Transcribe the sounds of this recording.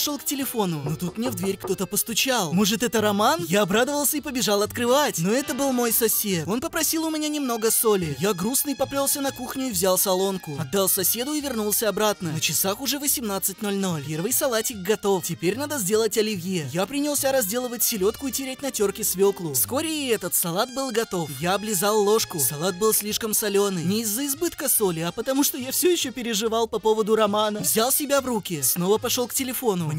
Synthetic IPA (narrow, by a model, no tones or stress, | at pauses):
ʂolˠktʲɪlʲɪfo̞nʊnot̪ut̪mnʲevd̪vʲeɾʲkt̪o̞t̪əpəst̪ʊt͡ɕalˠmo̞ʐɨt̪ɛt̪əɾɐmanjaɐbɾad̪əvəlˠsʲəipəbʲɪʐalˠɐt̪kɾɨvatʲno̞ɛt̪əbɨlˠmo̞jsɐsʲe̞t̪o̞npəpɾɐsʲilˠʊmʲɪnʲanʲɪmno̞ɡəso̞lʲɪjaɡɾusnɨjpɐplʲo̞lˠsʲənɐkuxnʲʊivzʲalˠsɐlˠo̞nkʊɐd̪ːalˠsɐsʲe̞d̪ʊivʲɪrnulˠsʲəɐbɾat̪nənət͡ɕɪsaxʊʐɛvəsʲɪmnat̪sɨt̚ʲno̞lʲno̞lʲpʲe̞rvɨjsɐlˠatʲɪxɡɐt̪o̞ftʲɪpʲeɾʲnad̪əzʲdʲe̞lˠətʲɐlʲɪvjejapɾʲɪnʲɪlˠsʲaɾɐzʲdʲe̞lˠəvət̚ʲsʲɪlʲo̞t̪kʊitʲɪɾʲatʲnɐtʲo̞rkʲɪsvʲo̞klˠʊfsko̞ɾʲɪɛt̪ət̪sɐlˠat̪̚bɨlˠɡɐt̪o̞fjaɐblʲɪzalˠːo̞ʂkʊsɐlˠat̪̚bɨlˠsʲlʲiʂkəmsɐlʲo̞nɨnʲɪːzːəɪzbɨt̪kəso̞lʲɪɐpət̪ɐmuʂt̪o̞jafsʲɵjɪɕːopʲɪɾʲɪʐɨvalˠpɐpo̞vəd̪ʊɾɐmanəvzʲalˠsʲɪbʲavrukʲɪsno̞vəpɐʂolˠktʲɪlʲɪfo̞nʊ